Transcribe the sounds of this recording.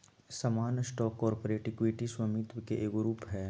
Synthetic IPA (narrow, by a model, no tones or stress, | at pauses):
sɐmaːnsʈɔːkːɔːɾpoːɾeːʈɪkweːʈiswɐmit̪wkeʔeːɡʊɾuːpɦɛː